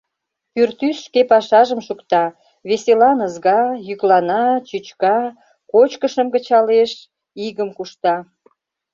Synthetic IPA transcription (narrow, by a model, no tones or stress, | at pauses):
pyrt̪ysʃkepɑʃɑʒəmʃukt̪ɑ | βeselɑnəzɣɑjyklɑnɑt͡ɕyt͡ɕkɑ | kot͡ɕkəʃəmɡət͡ɕɑleʃ | iɣəmkuʃt̪ɑ